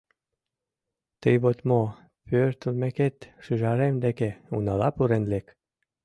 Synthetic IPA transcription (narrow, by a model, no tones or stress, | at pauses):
t̪əjβot̪mo | pørt̪əlmeket̪ʃyʒɑɾemd̪ekeṵnɑlɑpuɾenlek